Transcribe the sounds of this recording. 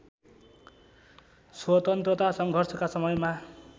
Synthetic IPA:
swʌt̪ʌnt̪rʌt̪asʌŋɡʱʌrsʌkasʌmʌjma

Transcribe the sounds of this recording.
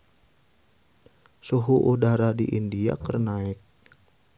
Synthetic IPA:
suɦuʔudaɾadḭʔindia̰kərnaɪk̚

